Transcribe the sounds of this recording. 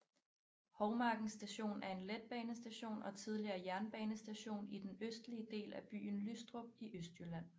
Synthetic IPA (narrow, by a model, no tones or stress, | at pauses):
hɒʊmɑ̈ːɡ̥n̩sd̥æɕo̝̰ːnæɐe̝nled̥̚b̥ɛːnəsd̥æɕo̝̰ːnɒ̽t͡sʰið̞ˠliɐːjæɐnb̥ɛːnəsd̥æɕo̝̰ːnid̥enøsd̥liəd̥e̝̰ːlæb̥y̰ːn̩lysd̥ʁob̥̚iʔøsd̥jølæn̰